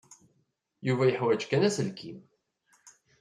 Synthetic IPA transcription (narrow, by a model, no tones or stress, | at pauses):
juvæjəħwæd͡ʒkænæsəlkʰim